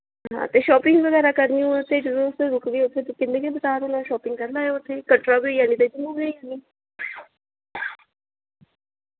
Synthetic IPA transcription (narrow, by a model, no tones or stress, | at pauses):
ɦɦã̰ːt̪eːʃɔːpɪŋɡʋəɣɛːɾakəɾniũt̪ʰeɖɾoːst̪eɾʊkɡiʊt̪ʰːet̪ekɪnːẽkebət͡ʃaːɾonãʃɔːpɪŋɡkəɾlaːeʊt̪ʰːeːkəʈɾabijaːnit̪ed͡ʒɪmõːɡəijani